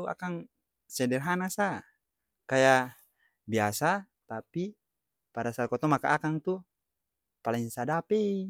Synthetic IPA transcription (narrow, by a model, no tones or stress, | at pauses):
a̰kaŋ | sɛdɛrɦanasa | kaja | biasa | t̪api | paɾasakɔt̪ɔmakaʔakaŋt̪u | palɛŋsadapɛi